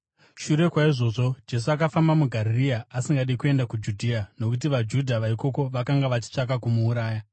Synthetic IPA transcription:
ʃuɾe̞kwaiʐo̞ʐo̞d͡ʒe̞s̬uakafambamuɡʱaɾiriaasiŋɡaɗiikue̞ndakud͡ʒudʱiano̞kut̬iʋad͡ʒudʱaʋaiko̞ko̞ʋakaŋɡaʋat͡ʃi̥t͡ʂak̬akumuːɾaːja

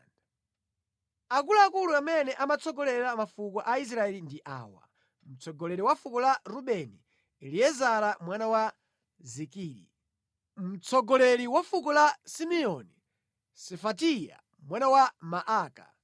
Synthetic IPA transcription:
akulaːkuluamɛnɛʔamat͡sɔɡɔlɛɾamafukɔʔais̬ɾaɛlindiʔa̰ːwa̰ | m̩t͡sʰɔɡɔlɛɾiwafukɔlaɾuɓɛniː | liɛzaɾamwanawa | zikiːɾḭ | m̩t͡sɔɡɔlɛɾiwafuk̬ɔlasimɛɔni | sɛfatija̰ | mwanawamaʔaːka̰

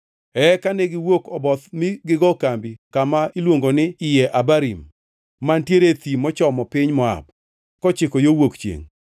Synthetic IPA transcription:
ɛkaneɡɪwokɔbɔt̪mɪɡɪɡɔkambikamailwoŋɡonɪɪjɛʔabaɾimː | antjeɾet̪imɔt͡ʃɔmɔpɪɲmɔa̰b̚ | kɔt͡ʃɪkojowokt͡ʃjḛŋ

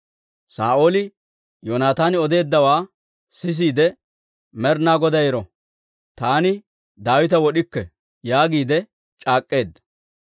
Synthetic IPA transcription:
saːʔo̞ːlɪ | joːnaːt̪aːnɪɔd̪e̞ːd̪ːɐwaː | sɪs̬iːd̪ɛ | mɛɾnaːɡɔd̪ɐjɪɾɔ | t̪aːnɪ | d̪aːwɪt̪ɐwɔɗɪkːɛ | jaːɡiːd̪ɛ | t͡ʃʼaːkʼːe̞ːd̪ːɐ

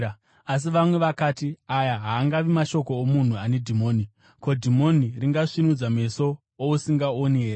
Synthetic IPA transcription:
as̬iʋamwe̞ʋakaːtiajaɦaːŋɡaʋimaʃo̞ko̞omun̤uane̞dʱimo̞ːni | ko̞dʱimo̞niriŋɡaʂinud͡zame̞so̞ | ousiŋɡaoniɦeːɾ

